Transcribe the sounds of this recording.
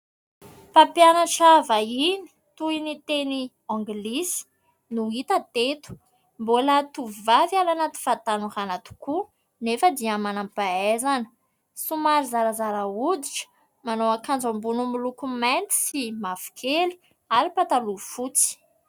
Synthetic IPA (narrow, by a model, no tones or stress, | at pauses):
papjanaʈ͡ʂavaini̥ | t̪uinit̪eni | ɔ̃ŋɡlisi̥ | nuit̪at̪et̪u̥ | mbolat̪uvvavjalanat̪i̥fat̪anuranat̪u̥ku | nefəd̪iəmanampaezanə̥ | sumaɾizaɾəzaɾaud̪iʈ͡ʂə̥ | manoakand͡zambunumilukumant̪i̥simav̥i̥kʰeli̥ | aɾipat̪alufut͡si̥